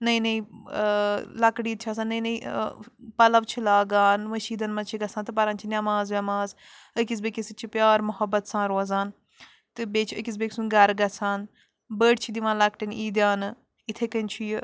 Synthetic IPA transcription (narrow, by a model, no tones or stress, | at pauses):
nɐĩnɐĩ | lɐkɽiːt̪ʰt͡ʃʰaːs̬aːnːɐinɐĩ | pɐlɐʋt͡ʃʰilaːɡaːnʋɐʃiːd̪ɐnmɐt͡ʃʰiɡɐsãːnt̪ɨpɐɾãːnt͡ʃʰinʲɐmãːzʋʲɐmaːz | əkiz̬bekisit͡ʃʰipjaːɾmʊɦɐbːɐt̪sãːɾoːzaːn | t̪ɨbeːt͡ʃʰəkis̬beːkʲsũnɡɐɾɡɐsʰaːn | bəːɖt͡ʃʰid̪iʋãːlɐkʈiniːd̪jaːn | ɪt̪ʰekənʲt͡ʃʰi